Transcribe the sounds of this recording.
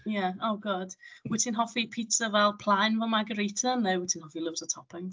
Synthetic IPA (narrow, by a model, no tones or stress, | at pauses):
jaowɡɔd̥wɪtʰɪnɦɔfipʰiːtʰəvɛlˠpʰl̥ˠajnvɔmaɡəɾejtʰənːəwɪtʰɪnhɔfilˠʊvsətʰɔpʰɪŋ